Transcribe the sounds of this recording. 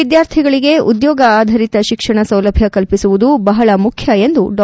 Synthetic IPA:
id̪jaːɾt̪ʰiɡɐɭiɡe̞ud̪jɔːɡɐaːd̪ʱɐɾit̪ɐʃikʂɐɳɐsɐwlɐbʱjɐkɐlpisuʋud̪ubɐɦɐɭɐmukʰjɐe̞nd̪uɖ

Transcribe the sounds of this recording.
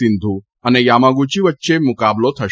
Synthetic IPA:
ind̪ʱu | ənejamaɡut͡ɕiːʋətːɕemukablɔt̪ʰə

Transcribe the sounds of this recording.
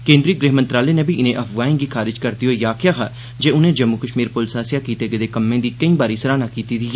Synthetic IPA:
kẽːnd̪ɾiːɡɾeːɦmə̃nt̪ɾaːleːnẽːbʱiːɪnẽːʔəpʋaːĩːɡiːkʰaːɾɪd͡ʒkəɾd̪iɦoːjaːkʰɪjaːxʰa | d͡ʒeːʊnẽːd͡ʒəmːukəʃmiːɾpʊlsaːsjaːkiːt̪eːɡəd̪eːkəmːẽːd̪iːkəĩːbaːɾiːsəɾaːnaːkiːt̪iːd̪iː

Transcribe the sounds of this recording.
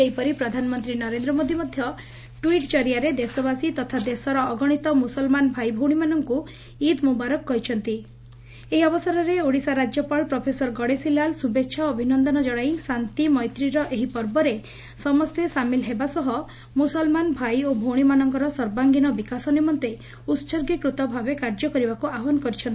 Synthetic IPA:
ejpɔɾipɾɔd̪ʱanɔmɔnt̪ɾinɔɾend̪ɾɔmod̪ʱimɔd̪ʱjɔ | ʈwiʈt͡ʃɔɾiaɾed̪esɔbasit̪ɔt̪ʰad̪esɔɾɔːɡɔɽ̃it̪ɔmusɔlmanbʱajbʱow̃imanɔŋku | id̪mubaɾɔkːɔɦjt͡ʃʰɔnt̪i | eɦiɔbɔsaɾɔɾeoɽisaɾad͡ʒjɔpaɭpɾɔpʰesɔɾɡɔɽesilalsubetːʃʰaɔbʱinɔnd̪ɔnɔd͡ʒɔɽajsant̪imɔjt̪ɾiɾɔʔeɦipɔɾbɔɾe | sɔmɔst̪esamilɦebasɔɦɔ | musɔlmanbʱajobʱoɽ̃imanɔŋkɔɾɔsɔɾbaŋɡinɔbikasɔnimɔnt̪e | ut͡ʃɔɾɡikɾut̪ɔbʱabekaɾd͡ʒɔkɔɾibakuaɦɦɔnɔkɔɾit͡ʃʰɔnt̪i

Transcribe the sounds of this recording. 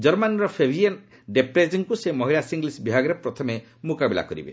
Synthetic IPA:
d͡ʒɔɾmanɾɔpʰebʱien | ɖepɾed͡ʒɔnkusemɔɦilasiŋɡlisbibʱaɡɔɾepɾɔt̪ʰɔme | mukabila̰kɔɾḭbḛ

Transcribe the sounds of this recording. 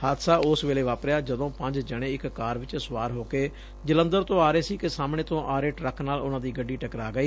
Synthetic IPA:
haːt̪saːʊsʋeːleːʋaːpɾjaːd͡ʒəd̪õːpəɲd͡ʒd͡ʒəɽẽːɪkkaːɾʋɪt͡ʃsʊʋaːɾɦoːkeː | d͡ʒələ̃nd̪əɾt̪õːaːɾeːsiːkɪsaːmɳeːt̪õːʔaːɾeːʈɾəkʰnaːlʊnãːd̪iːɡəɖːiːʈəkəɾaːɡəiː

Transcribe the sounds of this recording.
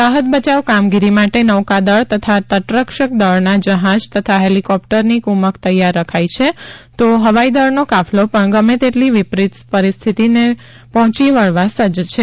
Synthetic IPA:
ɾaɦət̪̚bət͡ʃaʋkamɡiɾimaʈenəʋkad̪əɭt̪ət̪ʰat̪əʈɾəkʃək̚d̪əɭnad͡ʒəɦãd͡ʒt̪ət̪ʰaɦelikɔp̚ʈəɾnikuməkt̪əjaɾːəkʰajt͡ʃʰet̪oɦəʋaid̪əɭnokafʰlopəɳɡəmet̪eʈliʋipɾit̪spəɾist̪ʰit̪ine | pɔɦɔ̃t͡ʃiʋəɭʋasəd͡ʒt͡ʃʰe

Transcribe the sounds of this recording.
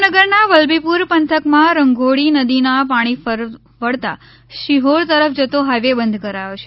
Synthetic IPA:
nəɡəɾnaʋəlbipuɾpənt̪ʰəkmãɾəŋɡoɽinəd̪inapaɽ̃ifəɾ | ʋəɽt̪a̰ | ʃiɦoɭt̪əɾəfd͡ʒət̪oɦajʋebənd̪ʱkəɾajot͡ʃʰe

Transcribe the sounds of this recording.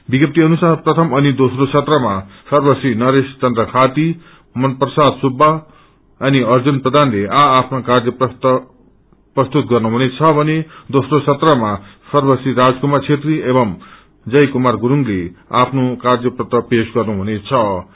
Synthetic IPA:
biɡʌp̚t̪iʌnusarprʌt̪ʰʌmʌnid̪osrosʌt̪rʌmasʌrbʌsinʌɾest͡sʌnd̪rʌkʰat̪i | mʌnprʌsad̪subʱːa | ʌniʌrd͡zunprʌd̪ʱanleʔaːpʰnokard͡zʌprʌt̪ʌ | prʌst̪ut̪̚ɡʌrnuɦunet͡sʰʌbʱʌned̪osrosʌt̪rʌma | sʌrbʌsiɾad͡zkumat͡sʰet̪riebʌm | d͡zʌjkumarɡuɾuŋleapʰnokard͡zʌprʌt̪ʌpesɡʌrnuɦunet͡sʰʌ

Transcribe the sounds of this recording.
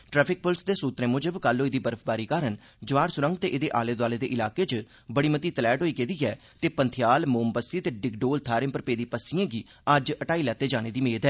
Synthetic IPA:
ʈɾɛːpʰɪk̚pʊlsd̪eːsuːt̪ɾẽːmʊd͡ʒəbkalːoːɪd̪iːbəɾəfʰbaːɾiːkaːɾən | d͡ʒəʋaːɾsʊɾə̃ŋɡ̚t̪eːʔɪd̪eːʔaːleːd̪ʋaːleːd̪eːʔɪlaːkeːt͡ʃ | bəɽiːmət̪iːt̪əlɛːʈɦoːiːkeːd̪iːɛː | t̪eːpənt̪ʰjaːlmoːmbəsiːt̪eːɖɪɡɖoːlt̪ʰaːɾɪ̃ːmpəɾpeːd̪iːpəsːijãːɡiː | əd͡ʒəʈaːiːlɛːt̪eːd͡ʒaːneːd̪iːmeːd̪ɦɛː

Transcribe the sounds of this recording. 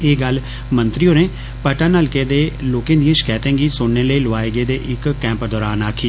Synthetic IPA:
eːɡəl | mənt̪ɾiõːneː | pəʈãːnaːlkeːd̪eːloːkẽːd̪iə̃ʃɪ̥kaːt̪ẽːŋɡiːsʊɽneːləiːlʊʋaːeːɡeːd̪eːʔɪkːɛ̃ːmpd̪ɔːɾaːnaːkʰiː

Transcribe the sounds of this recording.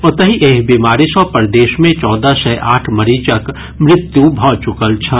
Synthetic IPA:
ot̪əɦiʔeːkbiːmaːɾisɔpɾd̪eːʃmẽt͡ʃɔːd̪asɛːʔaːʈʰmɐɾiːd͡ʒək | mɾɪt̪jubʱɔːt͡ʃʊkəlt͡ʃʰɐ

